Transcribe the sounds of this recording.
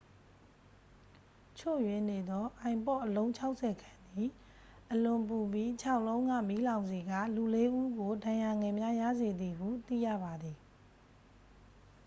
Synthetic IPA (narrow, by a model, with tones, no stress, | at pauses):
t͡ɕʰo̰˦˨jwɪ̃˨ne˨d̪ɔ˦ʔã˨ɪ̃mpɔ˦˨ʔəlõ˦ʊ̃ɲt͡ɕʰa˦ʊʔsʰɛ˨kʰã˨nd̪i˨ | ʔəlʊ̃˨mpu˨bji˦t͡ɕʰa˦ʊʔlõ˦ʊ̃ŋä̰˦˨mi˦lã˨ʊ̃nzi˨ɡa̰˦˨lu˨le˦ʔu˦ɡo˨dã˨ja˨ŋɛ̃˨mja˦ja̰˦˨ze˨d̪i˨ɡṵ˦˨t̪ḭ˦˨jä̰˦˨ba˨d̪ði˨